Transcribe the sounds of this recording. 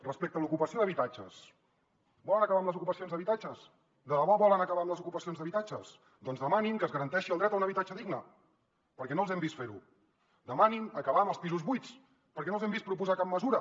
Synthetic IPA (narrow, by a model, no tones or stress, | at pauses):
rəspek̚t̪əlukupəsioðəβit̪at͡ʃə̰s | bɔlənəkəβaəmləzukupəsionzðəβit̪at͡ʃəs | d̪ələβɔβɔlənəkəβaəmləzukupəsionzðəβit̪ad͡ʒəs | d̪ɔnzðəmanimkəzɣəɾənt̪ɛʃiəlˠd̪ɾɛt̪unəβit̪at͡ʃəðiɡnə | pəɾkɛnoəlˠzɛmbist̪feɾu | d̪əmaniməkəβaəməlˠspizuzβujt͡s | pəɾkɛnolˠzɛmbispɾupuzakap̚məzuɾə